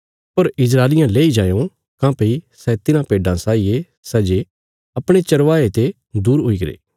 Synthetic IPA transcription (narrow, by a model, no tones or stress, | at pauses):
pɐɾɪzɾaːlɪjãleːid͡ʒaːjõ | kãːpeisɛt̪ɪnãpeːɖãsaːije | sɛd͡ʒe | ɐpɽ̃et͡ʃɐɾʋaːet̪e | d̪uːɾɦoiɡɐɾḛː